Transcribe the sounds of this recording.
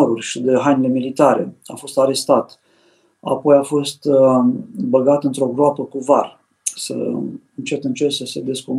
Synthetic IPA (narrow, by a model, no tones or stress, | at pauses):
ɾurʲʃid̪e̞ɦajnile̞milit̪aɾe̞afo̞st̪aɾe̞st̪at̪ | a̰po̞jafo̞st̪ | bəɡat̪ɨnt̪ɾo̞ɡɾoapəkuvar | sə̰ɨnt͡ʃe̞t̪ɨnt͡ʃe̞rsəse̞d̪e̞skum